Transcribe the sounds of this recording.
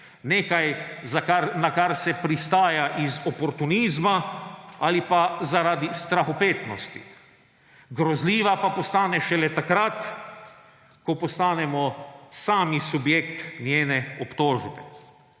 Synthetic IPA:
neːkajzakaɾnakaɾsɛpɾist̪aːjaʔizɔpɔɾt̪uniːzmaalipazaɾad̪ist̪ɾaxɔpeːt̪nɔst̪ḭ | ɡɾɔzliːʋapapɔst̪aːnɛʃɛlɛt̪akɾat̪ | kɔpɔst̪aːnɛmɔsaːmisubjeːkt̪njeːnɛɔpt̪oːʒbɛ

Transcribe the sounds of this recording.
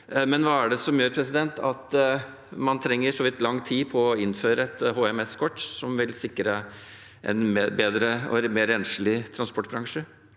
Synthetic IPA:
mɛnʋɑːæɖɛsɔmjøːɾpʰɾɛsɪd̪ɛnt̪ʰɑt̪ | mɑnt̪ʰɾɛŋːəʂɔʋɪt̪ːlɑŋːt̪ʰiːpʰɔːɪnːføːɾəɛt̪ɦoːɛmɛskʰɔʈːsɔmʋɪlsɪkːɾə | ʔɛ̰nbeːd̪ɾəɔ̰meːɾɛnʂlɪt̪ʰɾɑnspɔʈːbɾɑŋʂə

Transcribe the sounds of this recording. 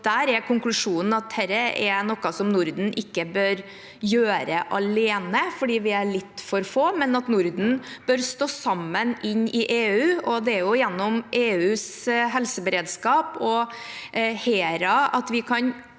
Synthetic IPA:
d̪̥æːɾɛkʰʊŋklʉʂuːnn̩ɑt̪hɛɾəʔɛnɔkːɑsɔmnʊɾd̪n̩ʔɪkːəbøːɾ | jøːɾəʔɑleːnəfɔɖiːʋɪæɭɪt̪ːfɔɾfoːmɛnɑt̪nʊɾd̪n̩b̥œɾst̪oːsɑmːənʔɪɲːɪʔeːʉːɔd̪ɛæɾjʊjɛnːɔmʔeːʉːsɦɛlsəbəɾeːd̪skɑːpɔ | heːɾɑɑt̪ʋɪkʰɑn

